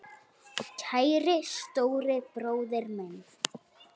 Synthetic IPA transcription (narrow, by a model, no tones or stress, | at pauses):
cʰaːjɾɪst̪oːwɾɪpɾoːwðɛɾmɛn